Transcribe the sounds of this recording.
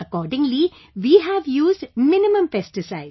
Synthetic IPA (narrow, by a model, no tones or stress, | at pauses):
ɐkɔːɾɖɪ̃ŋli | ʋiːɦæʋjuːzɖmɪnɪmə̃mpɛsʈɪsaɪ